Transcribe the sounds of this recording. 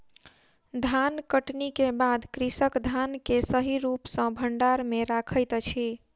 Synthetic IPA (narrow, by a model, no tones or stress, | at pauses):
d̪ʱankəʈnikebad̪kɾisəkd̪ʱankesəɦiɾupsə̃bʱəɳɖaɾmeɾakʰəjt̪t͡ʃʰi